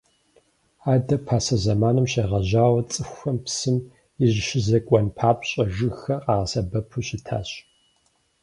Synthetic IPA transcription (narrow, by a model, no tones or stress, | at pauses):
aːdɐpʰaːsɐzɐmaːnɨmɕeːʁɐʑaːwɐt͡sʼɨxʷɐmpsɨm | ɪʑʃɪzɐkʷʼɔnpʰaːpʰʼɕʼɐʒɨxɐqɑːʁɐsɐbɐpʰuɕɪtʰa̰ːɕʼ